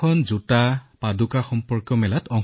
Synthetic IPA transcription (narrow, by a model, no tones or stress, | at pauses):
ɔnzutapadukaxɔmpɔɹkjɔmɛlatɔŋ